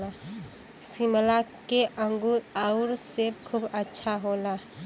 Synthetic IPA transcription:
a | simlakeʔə̃ŋɡuɾaʊɾsekʰubətːʃʰaɦola

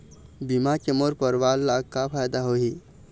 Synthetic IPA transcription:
bimakemoɾpəɾʋalːakapʰajd̪aɦoɦi

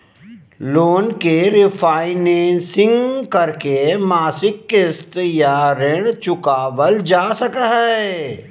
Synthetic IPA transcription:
loːnkeɾɪpʰaːɪnẽːnsɪ̃ŋɡkɐɾkemaːsɪkːɪst̪jaɾɛːɽ̃t͡ʃʊkaːʋəld͡ʒaːsəkaɦɛː

